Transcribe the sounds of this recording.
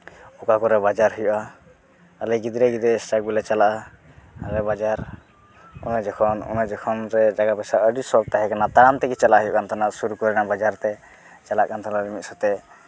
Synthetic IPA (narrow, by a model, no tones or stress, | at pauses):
ɔkakɔɾɛbad͡ʒaɾɦujɔʔa | alɛɡid̪ɾɛɡid̪ɛsʈak̚bilat͡ʃalaʔa | aɾɛbad͡ʒaɾ | ɔ̰nɛd͡ʒɔkʰɔnɔ̰nɛd͡ʒɔkʰɔnɾɛd͡ʒaɡabɛsaʔəɖisɔk̚t̪aɦɛkanat̪aɾant̪ɛkit͡ʃalaʔɦujɔ̰ʔkant̪ʰanasuɾukɔɾɛnabad͡ʒaɾt̪ɛ | t͡ʃalaʔkant̪ʰanaɾɛmit̪̚sɔt̪ɛ